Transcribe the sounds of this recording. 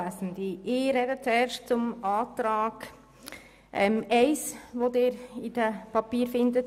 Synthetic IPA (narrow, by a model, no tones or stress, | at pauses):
asndiɪɾɛdət͡suɛːɾʃt̚t͡sʊmɑːtɾaːɡ̥ | ʔɛmɛɪsʋodɪːɾɪd̥əpʰɑpiːɾfɪndət